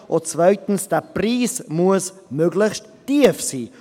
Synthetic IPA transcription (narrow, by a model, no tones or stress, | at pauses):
ʔot͡svœɥtn̩sd̥ɛpriːsmuəsmøɡlɪçst | tiəfsiː